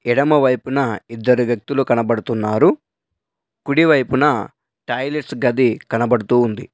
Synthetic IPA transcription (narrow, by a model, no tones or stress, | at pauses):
ɛɽɐmɐʋɐjpunɐid̪ːɐɾuʋjɐk̚t̪ulukɐnɐbɐɽut̪unːaːɾu | kuɽiʋɐjpunɐ | ʈɐjleʈsɡɐd̪ikɐnɐbɐɽut̪uːnd̪ḭ